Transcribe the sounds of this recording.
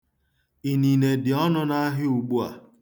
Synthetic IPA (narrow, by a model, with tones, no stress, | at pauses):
i˨ni˨ne˨dɪ˨ɔ˦nʊ˦na˦ɦɪ˦u˨ɡ͡bu˦a̰˨